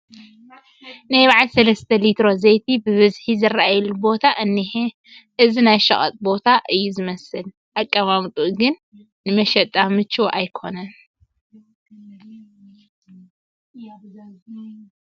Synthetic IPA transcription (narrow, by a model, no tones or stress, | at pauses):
najβaʕalsɐlɐst̪ʰɐlit̪ʰɾo̞zejt̪ʰibɨβɨzħizɨraʔajɛlubo̞t̪ʰaʔɨnːih | ʔɨzinajʃɐχʼɐ̰t̪ʼbo̞t̪ʰaʔɨjːuzɨmɐsɨl | ʔakʼːɐmamt̪ʼuɡɨnː | ɨmɐʃɐt̪ʼamɨt͡ʃʰːuʔajkʰo̞nɐn